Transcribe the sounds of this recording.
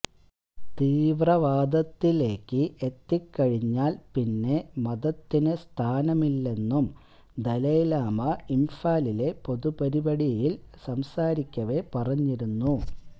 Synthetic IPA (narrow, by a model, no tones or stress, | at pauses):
t̪iːʋrɐʋaːd̪ɐt̪ːile̞ːkːɨʔet̪ːikːɐɻiɲːaːlpinːe̞mɐðɐt̪ːinɨst̪ʰaːnɐmilːe̞nːum | d̪ɐlejlaːmɐimfaːlile̞po̞ðupɐɾibɐɽijilsɐmsaːɾikʲːɐʋe̞pɐrɐɲːiɾunːu